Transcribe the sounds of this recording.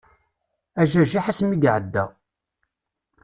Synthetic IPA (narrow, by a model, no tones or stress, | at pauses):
æʒæʒiħasmiɡʕəd̪ːæ̰